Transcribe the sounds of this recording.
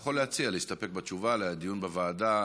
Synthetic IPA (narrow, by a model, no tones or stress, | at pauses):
χo̞leat͡sialeist̪ape̞k̚bat͡ʃuvalead̪ijunbevaːda